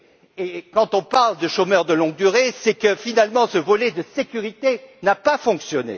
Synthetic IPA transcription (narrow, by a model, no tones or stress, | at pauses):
ekɑ̃t̪ɔ̃paʁld̪əʃomœʁd̪əlɔ̃ɡ̚d̪yʁesɛkəfinalmɑ̃səvɔlɛd̪əsekʲyʁit̪enapafɔ̃ksjɔnḛ